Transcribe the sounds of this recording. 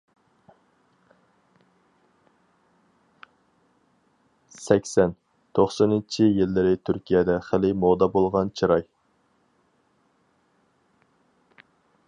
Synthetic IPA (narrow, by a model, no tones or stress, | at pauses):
sɛkʲsɛn | t̪ʰoχsɑnɪnt͡ʃʰijilːɪɾɪt̪ʰyɾkʲʰijɛd̪ɛχɪlɪmod̪ɑbolˠʁɑnt͡ʃʰiɾɑj